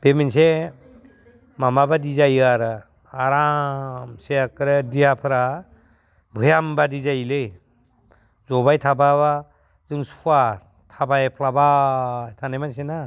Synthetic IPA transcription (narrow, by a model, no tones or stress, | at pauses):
b̥eminse | mamabadizajaɾ | aɾamseakɾɯdijapʰɯɾa | bʱɯjambadizajlɯj | zɔbajtʰabaβa | zɯŋsʰwa | tʰabajpʰlabajtʰanajmansena